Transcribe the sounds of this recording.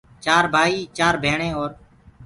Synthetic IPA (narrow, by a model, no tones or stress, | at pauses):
t͡ʃaːɾbʱaːiːt͡ʃaːɾbʱeːɳẽːoːɾ